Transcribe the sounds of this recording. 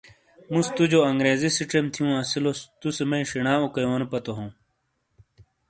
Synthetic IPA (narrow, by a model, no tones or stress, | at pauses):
mũst̪ud͡ʑoɐŋɡɾeːzisiʈ͡ʂemt̪ʰijũɐsilost̪usemɐĩʂiɳaːukɐjoːnpɐt̪oɦũː